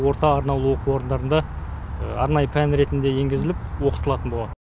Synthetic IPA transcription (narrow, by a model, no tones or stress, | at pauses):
wo̞ɾt̪ɑːɾnɑlˠuwo̞quwo̞ɾənd̪ɑɾənd̪ɑ | ɑɾnɑjəpʰænɾe̞t̪ɪnd̪e̞je̞ŋɡʲɪzɪlɪpwo̞qə̥t̪əlˠɑt̪ənbolˠɑd̪ə